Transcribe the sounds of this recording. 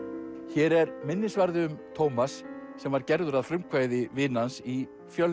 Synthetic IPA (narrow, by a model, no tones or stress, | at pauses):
çɛːɾɛɾmɪnːɪsvaɾðɪʏmt̪ʰowmasː | ɛmvaɾcɛɾðʏɾaðfɾʏmkʰvaːjðɪvɪːnansi | fjœl